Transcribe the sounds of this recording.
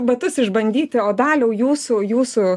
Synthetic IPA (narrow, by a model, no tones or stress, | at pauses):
bɐt̪ʊsɪʒbɐnʲd̪ʲiːt̪ʲɪoːd̪ɑːlʲɛʊjuːsujuːsʊ